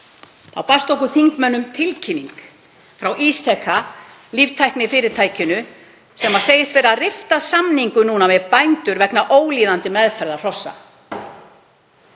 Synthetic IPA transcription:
θawpast̪ohkʏθiŋkmœnːʏmt̪ʰɪlcʰiniŋk | fɾawʔist̪ʰɛkʰːa | livt̪ʰajhknɪfɪɾɪɾ̥t̪ʰaːjcɪnʏ | sɛmaseːjɪst̪vɛːɾarɪft̪asamniŋkʏnuːnamɛvpajnt̪ʏɾvɛknaʔoːwliːðant̪ɪmɛðfɛɾðar̥ɔsːa̰

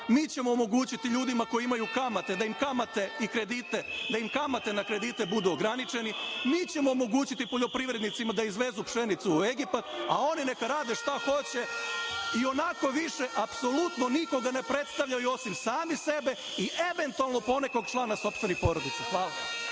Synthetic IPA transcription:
miːt͡ɕe̞moːmo̞ɡuːt͡ɕit̪iʎuːd̪imako̞jiimajukamat̪e̞d̪aimkamat̪e̞ikɾe̞d̪it̪ed̪aimkamat̪e̞nakɾe̞d̪it̪e̞bud̪uoɡɾanit͡ʃe̞nimiːt͡ɕe̞moːmo̞ɡuːt͡ɕit̪ipo̞ʎo̞pɾiʋɾe̞d̪nit̪simad̪aizʋe̞zupʃe̞nit̪suːe̞ɡipat̪a̰o̞nine̞kaɾaːd̪e̞ʃt̪axo̞t͡ɕe̞ | io̞nako̞ʋiʃe̞ʔapso̞lut̪no̞niko̞ɡane̞pɾe̞t̪st̪aʋʎajuo̞simsaːmise̞be̞ | iʔe̞ʋe̞nt̪ualˠno̞po̞ne̞ko̞ɡ̚t͡ʃlˠaːnaso̞pst̪ʋenipo̞ɾod̪it̪saxʋaːlˠa

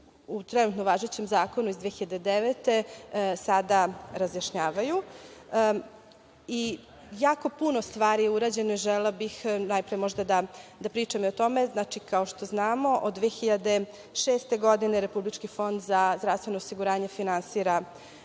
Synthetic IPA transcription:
ut̪ɾɛnuːt̪noʋaːʒet͡ɕemzaːkonuizd̪ʋeːxiʎad̪ed̪eʋet̪e̞sad̪aɾazjaʃɲaːʋaju | i | jaːko̞punost̪ʋaːɾijeuɾaːd͡ʑe̞noiʒɛlebixnajpɾajemo̞ʒd̪ad̪ad̪apɾiːt͡ʂamiot̪o̞me̞znat͡ʃikao̞ʃt̪oznaːmo̞ʔod̪ːʋeːxiʎad̪e̞ | ʃeːst̪eɡo̞d̪ineɾe̞publit͡ʃkifo̞nd̪zazd̪ɾavst̪ʋe̞noːsiɡuɾaːɲe̞finansiːɾa

